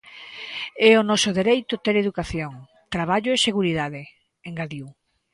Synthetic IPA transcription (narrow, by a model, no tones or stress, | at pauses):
ɛonɔsʊðeɾejt̪ʊt̪eɾeðukaθjoŋ | t̪ɾaβ̞aʎoeseɣuɾiðaðe | eŋɡaðiw